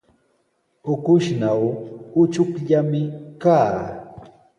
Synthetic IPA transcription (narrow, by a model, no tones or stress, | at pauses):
ʊkʊʃnawʊt͡ʃʊkʎamɪkaː